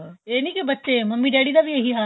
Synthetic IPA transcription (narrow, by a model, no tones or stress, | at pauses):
eːnĩːkebətːʃeməmːiːɖeːɽiːd̪aːʋieɦiɦaː